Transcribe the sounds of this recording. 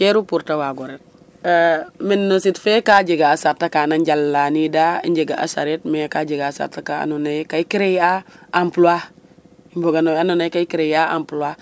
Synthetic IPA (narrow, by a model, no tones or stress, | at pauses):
t͡ʃeɾupuɾtawaɡoɾet̚ː | minːositfekad͡ʒeɡaːsaɾtːakanaɲd͡ʒalːanidaiɲd͡ʒeɡaʔa̰sa̰ɾetmekad͡ʒeɡaːsa̰ɾtakaa̰nonajkaikiɾejaːmplwaimboɡanoanonajkaikiɾejaʔa̰mplwa